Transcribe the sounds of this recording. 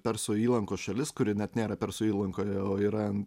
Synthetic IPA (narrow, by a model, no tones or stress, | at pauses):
pʲɛɾsoiːlˠɐŋkoːʃɐlʲɪskʊɾʲɪnʲɛt̪nʲeːɾɐpʲɛɾsoːiːlˠɐŋkoːjoːiːɾɐ